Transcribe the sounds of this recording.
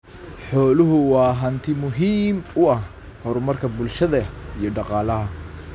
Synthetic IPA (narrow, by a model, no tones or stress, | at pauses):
ħɔːlʊɦʊwɑːɦɐnt̪ʰɪmʊɦiːmʊɐh | hɔɾʊmɐrkʰɐbʊlʃɐðɐijɞɖɑqɑːlɐɦɐ